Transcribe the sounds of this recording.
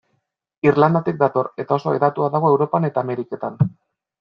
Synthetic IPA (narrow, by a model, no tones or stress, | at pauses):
irland̪at̪ik̚d̪at̪o̞re̞t̪ao̞so̞eðat̪uaðaɣ̞o̞e̞wɾo̞pane̞t̪aːme̞ɾike̞t̪an